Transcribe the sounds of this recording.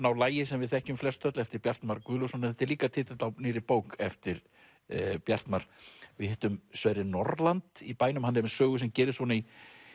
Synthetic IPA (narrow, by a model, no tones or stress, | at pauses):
nawlaːjɪsɛmvɪðθɛhcʏmflɛst̪ʰœt̪lɛft̪ɪɾpjar̥t̪maɾkʏːlusɔnɪθɛht̪ːɪɾliːkat̪ʰɪːt̪ɪt̪awnɪːɾɪpoːwkɛft̪ɪɾ | pjar̥t̪maɾ̥vɪðhɛːt̪ʏmsvajɾɪnɔɾlant̪ipaːjnʏmhanːɪɾmɛsœːɣʏsɛmcɛːɾɪsvɔni